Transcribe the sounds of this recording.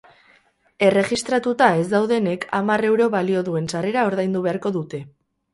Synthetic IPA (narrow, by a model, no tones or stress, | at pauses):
e̞re̞ɣist̪ɾat̪ut̪ae̞zd̪awðe̞ne̞kamare̞wɾo̞βalio̞ðue̞nsare̞ɾao̞ɾðajnd̪uβe̞aɾko̞ðut̪e̞